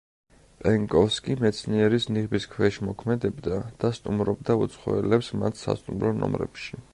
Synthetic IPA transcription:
pʼɛŋɡʼɔfskʼimɛt̪sʰniɛɾisniʁbiskʰwɛʃmɔkʰmɛd̪ɛbd̪ad̪̥ast̪ʼumɾɔbd̪aut̪sʰχɔ̰ɛlɛpsmat̪ʰsa̰st̪ʼumɾɔnɔ̰mɾɛ̰pʃi̥

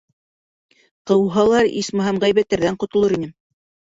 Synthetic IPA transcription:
qɤ̆wɦɑlˠɑɾḭsmɤɦæmʁæjβæt̪ːæɾðæɴqŏt̪ŏlˠɤɾinɘm

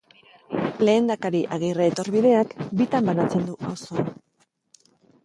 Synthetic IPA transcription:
le̞ːnd̪akaɾiʔaɣ̞ireːt̪o̞rβiðe̞akbit̪ambanat͡se̞nd̪uʔawso̞an

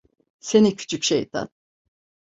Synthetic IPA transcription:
senicʰy̥t͡ʃʰycʃejt̪ʰa̰n

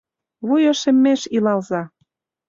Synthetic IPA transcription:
βujɤ̆ʃĕmːeʃilɑlzɑ

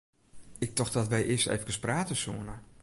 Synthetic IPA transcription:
ɪk̚tɔxdɔtʋɛjʔɪəstḛːvəkəspraːtəsuənə

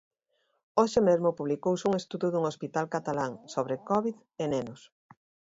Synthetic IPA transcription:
oʃɪmezmʊpuβlikowsuŋest̪uðuðuŋospit̪alkat̪alaŋsoβɾekɔβið | enenʊs

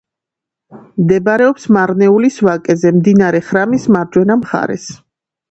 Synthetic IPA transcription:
md̪ɛbaɾɛɔpsmaɾnɛulisvakʼɛzɛmd̪inaɾɛχɾamismaɾd͡ʒwɛnamχa̰ɾɛ̰s

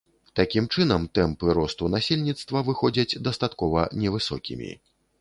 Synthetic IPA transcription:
t̪akʲimt͡ʂɨnɐmt̪ɛmpɨɾɔst̪unasʲelʲnʲit̪st̪vɐvɨxɔd͡zʲɐt͡sʲd̪ɐst̪at̪kɔvɐnʲɛvɨsɔ̰kʲḭmʲḭ

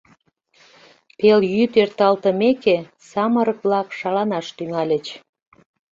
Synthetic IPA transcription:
peljyt̪ørt̪ɑlt̪əmeke | sɑməɾəkβlɑkʃɑlɑnɑʃt̪yŋɑlʲət͡ɕ

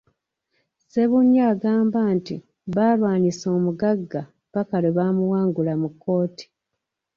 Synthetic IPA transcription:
se̞βuɲːaːɡaːmbantḭ | βaːlwaːniso̞ːmuɡaɡːa | βakaleβaːmuwaːŋɡulamukʰːo̞ːti̥

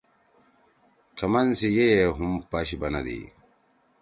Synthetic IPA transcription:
kʰɐmɐnsijejeɦumpɐɕibɐnɐ̰d̪ḭ

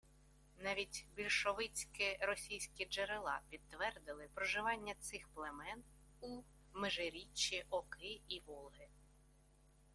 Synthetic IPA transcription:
nɑʋʲitʲbʲilʲʃɔʋɪt͡sʲkɪɾɔsʲijsʲkʲid͡ʒeɾelˠɑ̰pʲid̪̚t̪ʋɛrd̪ɪlˠɪpɾɔʒɪʋɑnʲːɐt̪sɪxplˠemɛn | u | meʒeɾʲit͡ʃːiʔɔkɪiʋɔlˠɦɪ

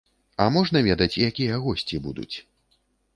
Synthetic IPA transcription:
ɐmɔʐnɐvʲɛd̪ɐt͡sʲijakʲijɐɐɣɔsʲt͡sʲibud̪ṵt͡sʲ

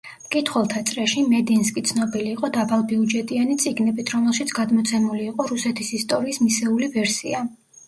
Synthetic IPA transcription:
mkʼit̪ʰχwɛlˠt̪ʰat̪sʼɾɛʃimɛd̪inskʼit̪sʰnɔbiliːqʼɔd̪abalˠbiud͡ʒɛt̪ʼianit̪sʼiɡnɛbit̪ʰɾɔmɛlˠʃit̪sʰɡ̥ad̪mɔt̪sʰɛmuliːqʼɔɾusɛt̪ʰisist̪ʼɔɾiːsmisɛulivɛɾsia

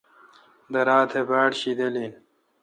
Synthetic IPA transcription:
d̪ɐɾaːt̪ʰebaːʈɕid̪ɐlin

